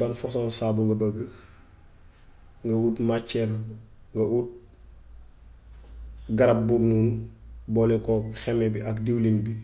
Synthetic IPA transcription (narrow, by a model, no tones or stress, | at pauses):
banfɔsɔnsaːbuŋɡɐbɐɡə | ŋɡɐwutmat͡ʃːɛɾ | ŋɡɐʔut̚ | ɡɐɾɐp̚bubnuːnbɔlɛkɔxɛmɛbiʔɐkdiwlinbi